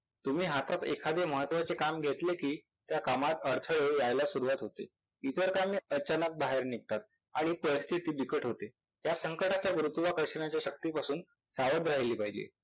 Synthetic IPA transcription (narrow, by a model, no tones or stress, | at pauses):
t̪um̤iːɦat̪at̪ḛkʰad̪ʱeməɦət̪ːʋat͡sekamɡʱet̪lekiː | t̪jakamat̪əɾt̪ʰəɭejajlasuɾuʋat̪ɦot̪ḛ | it̪əɾkamiːət͡ɕanək̚baɦeɾnik̚t̪at̪̚ | aɽ̃ipəɾist̪ʰit̪iːbikəʈɦot̪e | jasəŋkəʈat͡ɕjaʋɾut̪ːʋakəɕəɳjat͡ɕjaɕək̚t̪iːpasuːn | saʋəd̪ɾaɦeliːpaɦid͡ʑḛ